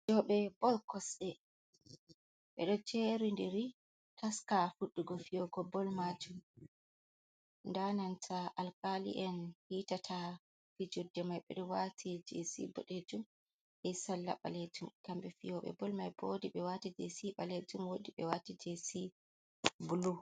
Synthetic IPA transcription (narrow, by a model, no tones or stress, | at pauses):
d͡ʒɔɓɛbɔlkɔsɗɛ | ɓɛ̰ɗɔt͡ʃeɾindiɾi | taskafuɗːuɡɔfijɔɡɔbɔlmad͡ʒum | ndanantʰaʔalkalḭʔɛnhitatʰa | fid͡ʒudːɛmajɓɛ̰ɗɔwatʰid͡ʒesḭbɔ̰ɗed͡ʒum | ʔɛsalːa̰ɓa̰led͡ʒumkambɛfijɔɓɛ̰bɔlmajbodiɓɛwatid͡ʒesiɓaled͡ʒumwodiɓɛwatid͡ʒesi | bulu